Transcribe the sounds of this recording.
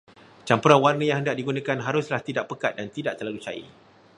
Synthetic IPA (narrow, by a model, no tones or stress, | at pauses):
t͡ʃampuɾanwarnə̃jaŋɦəndaʔ̚diɡunãkanɦaɾʊslaht̪idaʔpəkat̪̚dant̪idaʔt̪əlalut͡ʃa̰ḭ